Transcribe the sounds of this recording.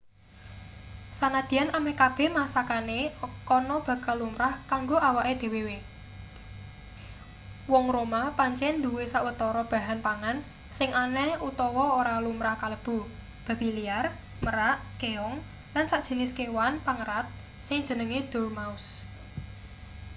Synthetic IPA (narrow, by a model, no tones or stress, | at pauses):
sanad̪̥i̤anamekab̥ɛ̤hmasakanekɔnɔb̥ä̤kalːumɾahkaŋɡoʔawaʔed̪̥e̤wewe | wɔŋɾomapaɲt͡ʃɛnd̪uwesaʔwət̪ɔɾɔb̥a̤ɦanpaŋan | sɪŋʔanɛut̪ɔwɔoɾalumɾahkaləb̥ṳ | b̥a̤b̥iliar | məɾaʔkeɔŋ | lansaʔd̥ʒ̥ə̤lɪskewanpaŋəɾat̪̚ | sɪŋ̥d͡ʒ̥ə̤nəŋid̪̥o̤rmaʊs